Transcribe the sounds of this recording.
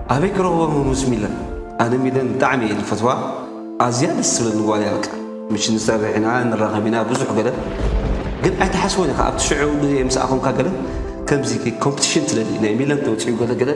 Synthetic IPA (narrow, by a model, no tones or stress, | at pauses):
ʔaβɐjkɨɾɐxβomɨmusmilɐn | ʔanɐmilɐnbɨt̪ʼaʕmielɨfɐt̪wa | ʔazijadɐssɨβlɐznɨɡβalajawɔt̪ʼa | mɨʃinɨsɐβħinanɨraxɐβinabɨzʼuħɡɐlɐ | ɡɨnʔajt̪ʰɐħaswonaka̰a̰βt̪ʰi̥ʃɨʕudɨemɨsa̰komkʰaɡɐlɐn | kʰɐmzikkʰompɨt̪i̥ʃɨnsʰɨlɐlḭnajmilɐnt̪ʰɐwɔt͡sʼijuɡɐlɐɡɐlɐ